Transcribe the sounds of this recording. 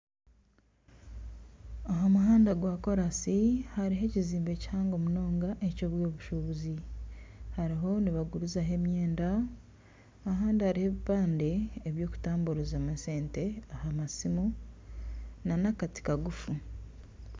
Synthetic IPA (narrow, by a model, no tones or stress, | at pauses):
aɦamuɦaːndaɡwaːko̞ɾasihaɾiɦe̞ciziːmbe̞ci̥haːŋɡo̞muno̞ːŋɡaʔecoβwoːβuʃuβuzi | haɾiɦo̞niβaɡuɾuzaɦe̞mɲe̞ːnda | ɦaːndihaɾiheβipaːnde̞ːβjo̞ːku̥taːmbuɾuzamase̞ːnte̞ahamasimu | nanakati̥kaɡufu